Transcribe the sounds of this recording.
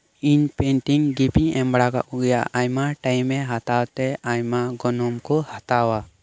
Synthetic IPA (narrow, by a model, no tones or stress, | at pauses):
iɲpɛnʈiŋɡipiŋɛmbɽaka̰ʔuɡɛjaajmaʈajmɛɦat̪awt̪ɛajmaɡɔnɔmkɔhat̪awa